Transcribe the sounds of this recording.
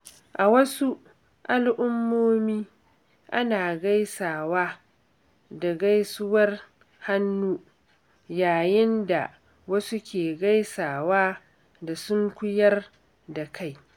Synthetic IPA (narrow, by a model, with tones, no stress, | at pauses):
ʔa˨wɐ˦su˦ | ʔa˦lʔʊ˦mːoː˦miː˦ | ʔa˦naː˨ɡa˦jsaː˨waː˦ | da˨ɡa˦jsʊ˦wɐ˦r | ha˦nːuː˦ | jaː˨jɪ˦nda̰˨ | wɐ˦su˦kʲʰeː˨ɡa˦jsaː˨waː˦ | da˨sʊ˦ŋkʷʊ˦jɐ˦r | da˨kʰa˦˨j